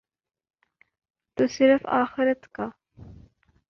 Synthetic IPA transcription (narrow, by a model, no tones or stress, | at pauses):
t̪usɪɾəfa̰ːxɪɾət̪ka